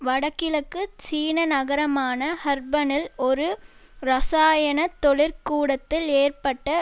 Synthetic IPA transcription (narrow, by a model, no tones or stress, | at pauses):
ʋɐɽɐkːɪlɐkːɯt͡ʃiːnɐnɐɣɐɾɐmaːnɐhɐɾbɐnɪlɔɾɯ | ɾɐsaːjɐɳɐt̪ːɔɭɪɾkuːɽɐt̪ːɪleːrpɐʈːɐ